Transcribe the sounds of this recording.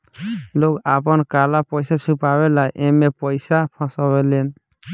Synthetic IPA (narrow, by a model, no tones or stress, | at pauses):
lokapɔnkalapɔjsat͡ʃʰupabelajʔɛmepɔjsapʰɔ̃sɔbɛlen